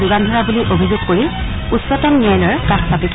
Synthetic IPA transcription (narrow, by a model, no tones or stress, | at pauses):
duɡandʱɔɹabuliʔobʱizuɡkoɹi | utsɔtɔnːiɛjlɔɹkaxsapik